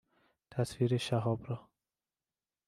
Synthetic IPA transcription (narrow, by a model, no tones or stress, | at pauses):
t̪ʰaswiɾeʃaɦɔbɾɔ